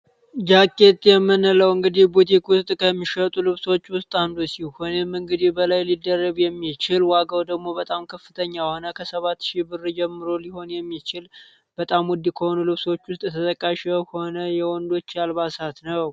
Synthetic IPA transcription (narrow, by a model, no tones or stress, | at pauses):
d͡ʒakʼːe̞t̪ʼjɛmːɨnːələwɨŋɡɨd̪ihbut̪̬ʰikwʊst̪ʼkʰəmːiʃət̪ʼulɨβso̞t͡ʃːwʊst̪ʼand̪usihonemɨŋɡɨd̪ihbəlajlid̪ːərːəɡjɛmːit͡ʃɪlwaɡawd̪əɡmo̞bət̪ʼamkʰəfːɨt̪ʰəɲːahonəkʰəsəβat̪ːʃibɨrːd͡ʒɛmːɨɾoliho̞njɛmːit͡ʃɪl | b̥ət̪ʼamwɔd̪ːikʰəho̞nulɨβso̞t͡ʃːwʊst̪ʼt̪ʰət̪ʼəkʼːaʃɛho̞nəjɛwɔnd̪o̞t͡ʃːjalβasat̪nəw